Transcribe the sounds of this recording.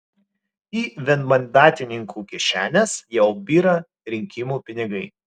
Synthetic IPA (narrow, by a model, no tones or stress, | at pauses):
iːʋʲɛnmɐnʲd̪ɑːt̪ʲɪnʲɪŋkʰuːkʲɛʃʲæːnʲesjɛʊbʲiːɾɐ | ɾʲɪŋʲkʲɪmuːpʲɪnʲɪɡɐɪ